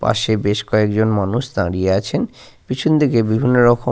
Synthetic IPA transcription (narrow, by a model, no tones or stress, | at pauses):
pa̰ʃebeʃkɔekd͡ʑonmanuʃd̪a̰ɾieat͡ɕʰen | pit͡ɕʰund̪ikebibʱinːoɾɔkʰo